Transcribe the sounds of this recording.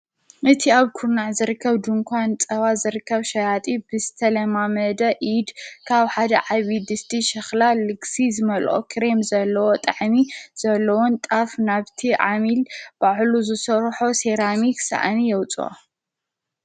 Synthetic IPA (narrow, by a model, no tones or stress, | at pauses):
ʔɨt̪ʰiaβkʰuɾnaʕzɨɾɨkʰːɐβd̪uŋkʰʷant͡sʼɐβazɨɾɨkːɐβʃɐjat̪ʼibɨzɨt̪ʰɐlɐmamɐd̪ɐʔid̪kʰaβħad̪ɐʕaβid̪ɨst̪ʰiʃɐxlalɨɡsizɨmɐlʔʼo̰kʰɾemzɐlːɐwot̪ʼɐʕmiz̥ɐlːɐwunt̪ʼafnaβt̪ʰiʕamilb̥aʕluzɨsɐɾħoseɾamiksa̰ʔanijɛwt͡sʼuwa̰